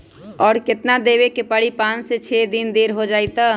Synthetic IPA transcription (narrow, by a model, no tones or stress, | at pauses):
ɔːɾkɪt̪nad̪ebekepəɽipãːnset͡ʃʰed̪ind̪eːɾɦod͡ʒaːjt̪a